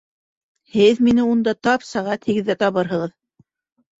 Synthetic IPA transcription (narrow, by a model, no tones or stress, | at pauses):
hɘðminɘund̪ɑt̪ɑpsæʁæt̪hɘ̆ɡɘ̆ðːæt̪ɑβɤɾɦɤ̆ʁɤð